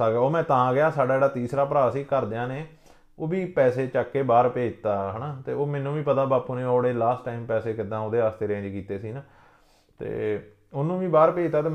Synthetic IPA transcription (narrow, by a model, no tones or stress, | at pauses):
aɡɛoːmɛ̃ːt̪əãːɡɪjaːsaːɖaːd͡ʒeːɽaːt̪iːsɾaːpəɾaːɾsiːkəɾd̪eːãːneː | oːbiːpɛːseːt͡ʃakːeːbaːɾpeːd͡ʒt̪aːɦənaːt̪eːoːmɛ̃ːnũːʋiːpət̪aːbaːpuːneːoːɽeːlaːsʈːaːimpɛːseːkɪd̪ãːoːd̪eːaːst̪eːɾẽːd͡ʒkiːt̪eːsiːnaː | t̪ḛː | ʊnũːʋiːbaːɾpeːd͡ʒt̪aːt̪̬eː